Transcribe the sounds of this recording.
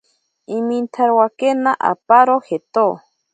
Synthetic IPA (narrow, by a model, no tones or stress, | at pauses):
imint̪ʰaɾwakenaʔa̰paɾohet̪o